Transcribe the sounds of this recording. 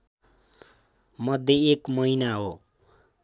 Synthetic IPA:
mʌd̪ʱjeekmʌinaɦo

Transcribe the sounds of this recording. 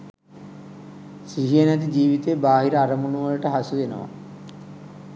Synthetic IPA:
siɦijənæt̪̬id͡ʒiːʋit̪ebaːɦiɾəaɾəmunuʋələʈəɦasuʋenə̰ʋa̰

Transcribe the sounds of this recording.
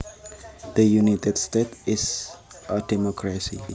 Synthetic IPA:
ð̥əjunitɛdstetɪs | ədɛmɔkʰɹasḭ

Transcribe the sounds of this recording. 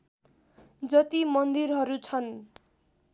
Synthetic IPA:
d͡zʌt̪imʌnd̪irɦʌɾut͡sʰʌn

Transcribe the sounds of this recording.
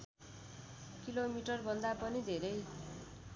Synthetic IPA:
kilomiʈʌrbʱʌnd̪apʌnid̪ʱeɾʌj

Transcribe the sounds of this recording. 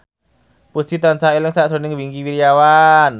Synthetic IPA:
pust͡ʃ̪it̪ansaelɪŋsaʔsonɪŋwiŋkiwiɾijawan

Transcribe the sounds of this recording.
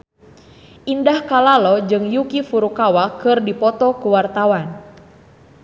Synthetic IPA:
ʔindahkalalɔd͡ʒɨŋjukifuɾukawakɨrdipɔt̪ɔkuwart̪awan

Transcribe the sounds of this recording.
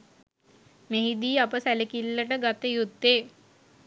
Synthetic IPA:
meɦid̪iːapəsælekilːəʈəɡat̪əjud̪ːeː

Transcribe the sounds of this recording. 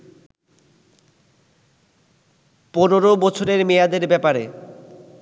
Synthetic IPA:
pɔnoɾobɔt͡ɕʰoɾeɾmejad̪eɾbɛpaɾe

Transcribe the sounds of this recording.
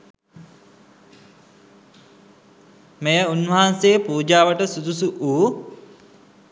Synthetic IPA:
mejəunʋəɦanseːpuːd͡ʒaːʋəʈəsud̪usuʔuː

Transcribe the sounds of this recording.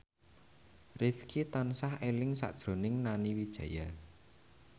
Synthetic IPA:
rɪfkʰit̪ansahelɪŋsa̰ʔd̥ʒ̥ɾo̤nɪŋnaniwid̥ʒ̥ä̤ja

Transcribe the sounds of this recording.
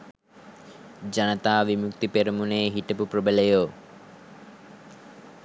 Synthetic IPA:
d͡ʒanət̪aːʋimukt̪ipeɾəmuneːɦiʈəpupɾobelejoː

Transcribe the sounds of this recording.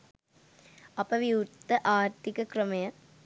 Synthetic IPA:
ɐpːɐʋiuɾt̪ːɐʔaːɾt̪ikɐkɾɐmɐjɐ

